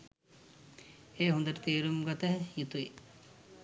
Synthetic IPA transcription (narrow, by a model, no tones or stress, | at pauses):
eːɦund̪ɐʈt̪eːɾumɡɔt̪ɐɦjut̪ue